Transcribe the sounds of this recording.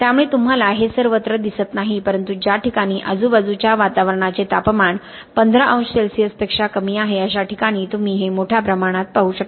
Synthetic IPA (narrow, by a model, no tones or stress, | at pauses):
t̪jamuɭet̪um̤alaɦesəɾʋət̪ɾəd̪isət̪naɦipəɾənt̪ud͡ʑjaʈikaɽ̃iːʔəd͡zuːbəd͡zut͡ɕjaʋat̪aʋəɾɳ̃at͡set̪apmaɳ | pənd̪ʱɾəʔə̃w̃sselsijəspekʂakəmiːaɦeəɕ̬aʈikaɽ̃iːt̪um̤iːɦemoʈʰjapɾəmaɽ̃at̪̚paɦuːɕəkt̪